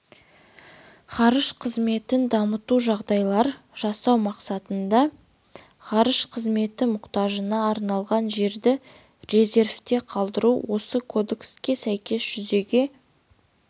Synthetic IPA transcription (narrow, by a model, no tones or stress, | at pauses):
χɑɾəʃqʰəzme̞t̪ɪnd̪ɑmət̪uʒɑʁd̪ɑjlˠɑɾ | ʒ̥ɑsɑwmɑqsɑt̪ənd̪ɑ | ʁɑɾəʃqʰəzme̞t̪ɪmʊqt̪ɑʒənɑːɾnɑlˠʁɑnʒe̞ɾd̪ɪ | ɾe̞ze̞rft̪e̞qʰɑlˠd̪əɾuwo̞səkʰo̞d̪e̞kskʲe̞sæjkʲe̞sʒ̥ʏze̞ɡʲe̞